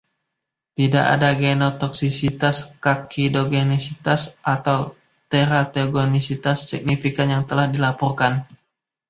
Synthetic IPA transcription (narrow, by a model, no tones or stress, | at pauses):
t̪idaʔa̰daɡenot̪ɔksisit̪askakʰidoɡenisit̪asʔat̪aw | t̪eɾat̪eɡonisit̪asːik̚nifikanjaŋt̪əlahdilapɔrkan